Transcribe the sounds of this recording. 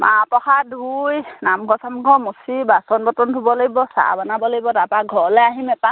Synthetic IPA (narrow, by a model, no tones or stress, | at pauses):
ma̰pɔxadʱujnamɡʱɔsamɡʱɔmosibasɔnbɔtɔntʰubɔlaɡibɔsa̰banabɔlaɡibɔtapaɡʱɔlɛaɦimɛpa